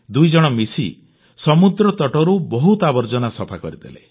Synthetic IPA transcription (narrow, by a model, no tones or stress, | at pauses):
d̪ujd͡ʒɔɽ̃ɔmisi | sɔmud̪ɾɔt̪ɔʈɔɾubɔɦut̪abɔɾd͡ʒɔnasɔpʰakɔɾid̪ele